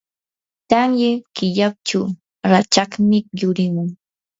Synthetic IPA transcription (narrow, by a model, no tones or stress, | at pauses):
t̪aŋjakɪʎap̚t͡ʃu | ɾat͡ʃakmɪjʊɾɪmʊŋ